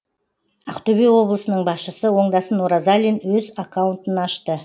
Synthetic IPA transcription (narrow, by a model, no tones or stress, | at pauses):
aqt̪obiwo̞blˠəsənəɴbɑsʃəsəwo̞ɴd̪ɑsənoɾazalʲinwɵzakʰawʊnt̪ənɑʃt̪ə